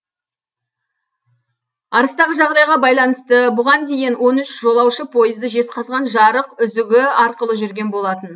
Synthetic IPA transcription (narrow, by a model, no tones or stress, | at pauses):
ɑɾəst̪ɑʁəʒɑʁd̪ɑjʁɑbɑjlˠɑnəst̪əbʊʁɑnd̪e̞jɪnwo̞nʏʃʒo̞lˠɑwʃəpʰo̞jəzd̪əʒe̞sqʰɑzʁɑnʒɑɾəqʏzɪɡʲɪɑɾqəlˠəʒʏɾɡʲe̞nbo̞lˠɑt̪ən